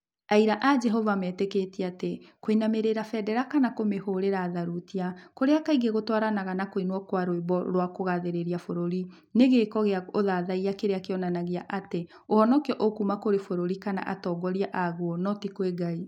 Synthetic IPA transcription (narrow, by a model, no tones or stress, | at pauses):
aiɾaʔad͡ʒɛɦɔvamɛːteketiatekoinameɾeɾafɛdɛɾakanakomehoɾeɾaːðaɾutiakoɾeakaiɡeɣotwaɾanaɣanakoinwɔkwaɾweβɔɾwakoɣaðeɾeɾiafoɾoɾi | neɣekɔɣeaoðaðaiakeɾeakeɔnanaɣeaʔate | ohɔnɔkjɔʔokumakoɾefoɾoɾikana̰ʔa̰tɔɡɔɾiaʔaɣuɔnɔtikweɡai